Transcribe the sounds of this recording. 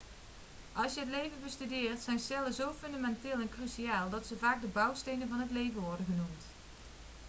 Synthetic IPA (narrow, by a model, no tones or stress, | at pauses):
ʔɑlˠsjəɦətlejvənbəstydɪːrtsɛjnsɛləzowfɵndamɛntɪːlˠɛnkrysiaːlˠdɑtsəvaːɡ̚dəbɑwstejnənvɑnɦətlejvənʋɔɹdənχənumt